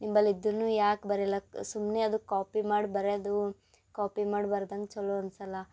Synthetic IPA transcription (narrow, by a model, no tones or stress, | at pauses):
nimbɐlːid̪ːuɾnuːjaːkbɐɾɛlːɐsumneɐd̪ukaːpimaːɽbɐɾeɐd̪u | kaːpimaːɽbɐɾd̪ɐŋɡt͡ʃɔloɐnsɐlɐ